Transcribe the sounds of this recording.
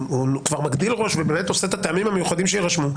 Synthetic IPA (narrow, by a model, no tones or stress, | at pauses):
ukvaʁmaɡd̪ilʁo̞ʃvebeːme̞t̪o̞set̪at̪eamimhamejuχad̪imʃeiʁaʃmu